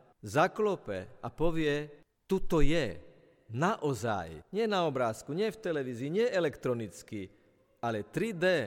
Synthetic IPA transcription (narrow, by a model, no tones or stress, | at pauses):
zaklɔpɛ̰apɔʋɪɛ | t̪ut̪ɔjɛ | naʔɔza̰jɲɪɛnaɔbɾaːskuɲɪɛft̪ɛlɛʋiːziːɲɪɛʔɛlɛkt̪ɾɔnit͡ski | alɛt̪ɾid̪ɛ